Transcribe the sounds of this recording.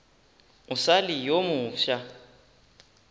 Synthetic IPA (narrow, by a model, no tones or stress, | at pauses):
ʊsalijomʊːʃa